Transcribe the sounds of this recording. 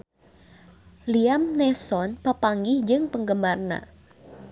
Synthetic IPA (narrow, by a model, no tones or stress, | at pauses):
liamnɛsɔnpapaŋɡɪhd͡ʒɨŋpəŋɡəmarna̰